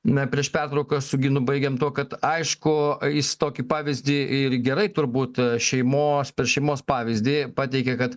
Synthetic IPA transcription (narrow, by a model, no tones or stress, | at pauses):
nɐpʲɾʲiɛʃpʲært̪ɾɐʊkɐsʊɡʲɪnʊbɐɪɡʲɛmt̪uɔkɐt̪ɐɪʃkʊjɪst̪oːkʲiːpɑːʋʲɪzʲd̪ʲiːɪrɡʲɛɾɐɪt̪ʊrbuːt̪ʃʲɛɪmoːspʲɛɾʃʲɛɪmoːspɑːʋʲɪzʲd̪ʲiːpɑːt̪ʲɛɪkʲɛkɐt̪